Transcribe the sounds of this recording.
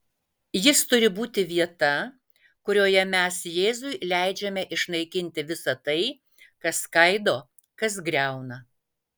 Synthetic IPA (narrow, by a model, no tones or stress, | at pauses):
jɪst̪ʊɾʲɪbuːt̪ʲɪʋʲiɛt̪ɐ | kʊɾʲoːjɛmʲɛsjeːzʊɪlʲæˑɪd͡ʒʲɛmʲɛʔɪʃnɐɪkʲɪnʲt̪ʲɪʋʲɪsɐt̪ɐɪ | kɐskɐɪd̪oː | kɐs̬ɡɾʲɛˑʊnɐ